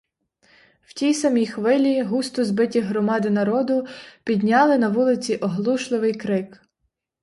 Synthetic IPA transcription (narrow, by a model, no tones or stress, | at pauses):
wtʲijsɐmʲijxʋɪlʲiɦust̪ʊzbɪtʲiɦɾɔmɑd̪ɪnɐɾɔd̪ʊpʲid̪ʲnʲɑlˠɪnɐʋulˠɪt͡sʲiʔɔɦlˠuʃlˠɪʋɪjkɾɪk